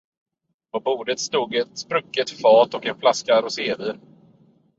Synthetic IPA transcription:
pʰɔbuːd̪ət̪st̪uːɡɛt̪spɾɵkːət̪fɑːt̪ɔkɛnflaskaɾʊseːvyːɾ

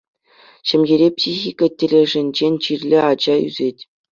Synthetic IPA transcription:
ɕɘ̆mʲɡʲeɾʲepsʲixʲikətʲːĕlʲĕʐɘ̆nʲd͡ʑenʲt͡ɕirʲlʲɘ̆ɑd͡ʑɑy̰zʲetʲ

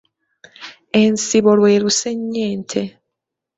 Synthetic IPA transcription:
ensiβolweɾuseɲːeːnt̪ʰe

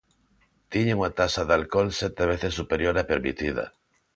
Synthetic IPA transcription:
t̪iɲeuŋat̪asaðalkolset̪eβ̞eθesːupeɾjoɾapeɾmḭt̪iða̰

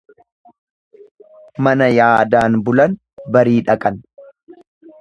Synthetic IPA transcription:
mɐnɐjaːd̪aːnbʊlɐn | bɐɾiːᶑɐkʼɐn

